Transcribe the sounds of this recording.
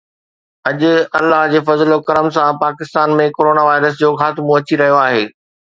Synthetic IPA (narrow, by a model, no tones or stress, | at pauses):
ɐʄʊ̆ɐlːaɦd͡ʑeːfɐzlokɐɾəmsãpaːkɪst̪aːnmẽkoːɾoːnaːʋaːɪɾəs̬d͡ʑoːxaːt̪ɪmoɐt͡ɕiɾɐɦijoaːɦeː